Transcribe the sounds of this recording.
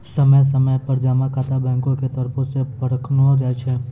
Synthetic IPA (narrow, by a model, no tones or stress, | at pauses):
səməjs̬əməjpəɾd͡ʒamãkat̪abɛ̃ŋkõket̪əɾpʰõsepəɽəkʰnoɾɛt͡ʃʰe